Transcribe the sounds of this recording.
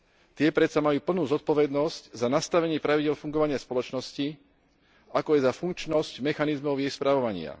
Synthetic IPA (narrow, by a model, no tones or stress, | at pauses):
t̪ɪɛpɾɛt̪samajuːpl̩nuːzɔt̪̚pɔʋɛd̪nɔsczanast̪aʋɛɲɪɛːpɾaʋiɟɪɛlfuŋɡɔʋaɲɪaspɔlɔt͡ʃnɔsci | akɔajzafuŋk̚t͡ʃnɔscmɛxanizmɔʊjɛjspɾaʋɔʋaɲɪa̰